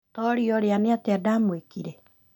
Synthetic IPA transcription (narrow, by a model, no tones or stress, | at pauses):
tɔɾiɔɾeaneateadaːmwekiɾe